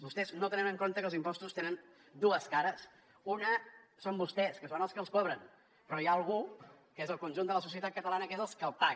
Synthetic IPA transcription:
bust̪ɛznot̪ənɛnəŋkont̪əkəlˠzimpɔst̪ust̪enən | d̪uəskaɾəs | unəsombust̪ɛskəsonəlˠskəlˠskɔβɾən | pɾɔjaːlˠɣ̞u | kezəlˠkunʲʒund̪ələs̬us̬iət̪at̪̚kət̪əlanəkezəlˠskəlˠpa

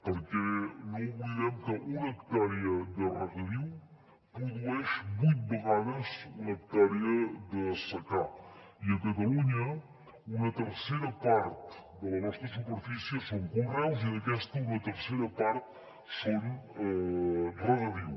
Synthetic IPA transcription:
pəɾkɛnoβuiðɛmkəʔunəkt̪aɾiəd̪ərəɣəðiw | pɾuðuɛʃbujt̪̚bəɣaðəzunək̚t̪ɛɾiəðəsəka | iəkət̪əluɲə | unət̪əɾseɾəpaɾt̪d̪ələnɔst̪ɾəsupəɾfisiəsoŋkurawziðəkɛst̪əunət̪əɾseɾəpaɾt̪̚ | sonɛrəəðiw

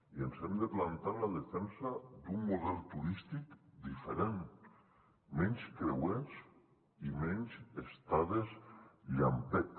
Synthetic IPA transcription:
ienzɛmd̪eplant̪alaðefɛnsad̪umːuðɛlˠt̪uɾist̪ikd̪ifeɾen | mɛɲskɾewens | imɛɲzest̪aðesʎa̰mpɛt̪

